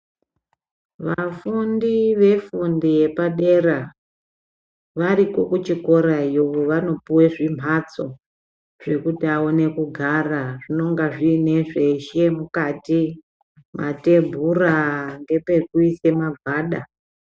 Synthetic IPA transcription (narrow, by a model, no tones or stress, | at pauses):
ʋafundiʋe̞fundije̞paɗe̞ra | ʋaɾikokut͡ʃiko̞ɾajoʋoʋano̞puweʐim̤ʱat͡so̞ | ʐ̥e̞kutiaone̞kuɡʱaraʐino̞ŋɡaʐiːne̞ʐe̞ʃe̞mukati | mʔate̞bʱuraŋɡe̞pe̞kuise̞mavʱaːɗa